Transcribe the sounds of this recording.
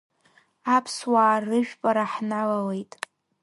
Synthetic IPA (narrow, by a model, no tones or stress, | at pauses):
apʰswaːrɨʒᶣpʼaɾaħnalawe̞jtʼ